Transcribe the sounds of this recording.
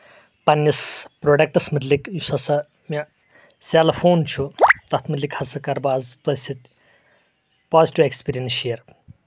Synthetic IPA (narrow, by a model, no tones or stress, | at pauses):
pɐnːispɾoːɖɐk̚ʈɐsmɨd̪likjusɐsɐ | mʲɐ | sʲaːlɐfoːnt͡ʃʰut̪ɐt̪ʰmɨd̪lʲikhɐsɐkɐɾbaːzt̪ɐsit̪ʲ | paːziʈiʋekspiːɾijɐnʃiːɾ